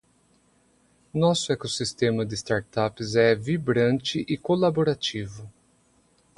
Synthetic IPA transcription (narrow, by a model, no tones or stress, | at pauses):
nɔsʊɛkosist̪ẽmɐd̪ɪst̪aɾt̪apɪzɛvibɾɐ̃nt͡ʃɪʔɪkolaboɾat͡ʃivʊ